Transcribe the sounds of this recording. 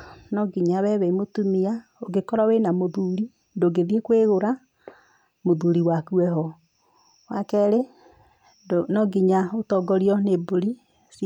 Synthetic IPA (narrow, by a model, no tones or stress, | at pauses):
nɔɡiɲaβɛβɛimotumiaoɡekɔɾɔwenamoðuɾi | ndoɡeðiekweɣoɾa | moðuɾiwakuɛɦɔ | wakɛɾe | nɔɡiɲaotɔɡɔɾiɔneboɾi | s